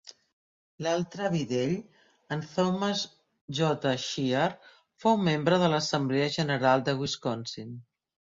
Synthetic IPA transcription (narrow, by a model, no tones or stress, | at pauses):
lalˠt̪ɾəβiðeʎ | ənθoməz | ʒɔt̪əʃiər | fowmembɾəðələsəmbleəʒənəɾalˠd̪əɣwiskɔnsin